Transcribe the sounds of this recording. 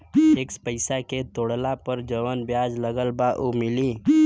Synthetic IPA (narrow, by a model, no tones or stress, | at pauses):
eːkspəɪsaket̪oːɽlapəɾd͡ʒəʋənbjaːd͡ʒləɡəlbaʔumɪli